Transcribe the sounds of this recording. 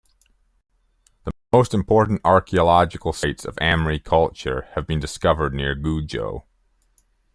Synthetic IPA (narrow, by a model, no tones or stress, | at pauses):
ðəmoʊstɨ̃mpʰɔɹʔn̩tɑɹkʰiəlɑd͡ʒɨkl̩ˠsaɪtsʌ̰væ̃mɹikʰʌlˠt͡ʃə̰˞ɨvbɨ̃ndɨskʌvə˞dⁿnɪɹɡʉd͡ʒo̰ʊ